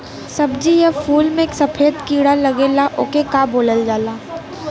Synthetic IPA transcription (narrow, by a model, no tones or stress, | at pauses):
sɐbd͡ʒijɛfʰuːlmẽeːksɐpʰeːd̪kiːɽalɐɡeːlaʔo̰ːkekaːboːləld͡ʒaːlaː